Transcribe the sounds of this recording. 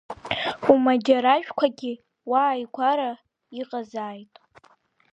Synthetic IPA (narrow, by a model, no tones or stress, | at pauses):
umad͡ʒaɾaʒᶣkʷʰaɡʲɪ | waːjkʷʰaɾa | iqʼazaːjtʼ